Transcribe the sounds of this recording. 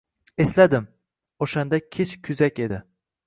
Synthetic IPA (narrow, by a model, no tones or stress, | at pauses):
e̞slad̪ɪm | oʃand̪akʲʰet͡ʃkʲʰʊzakʲe̞d̪ɪ